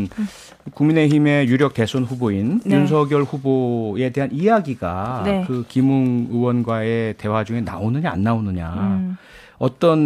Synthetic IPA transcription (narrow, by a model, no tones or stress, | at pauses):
kuŋmine̞çime̞juɾjʌk̚te̞sʰonɸuboinjuns̬ʰʌɡjʌɭɸuboe̞de̞ɦanijaɡiɡankɯkimuŋɯwʌnɡwae̞te̞wad͡ʑuŋe̞naonɯɲaa̰nːaonɯɲa | ʌt͈ʌn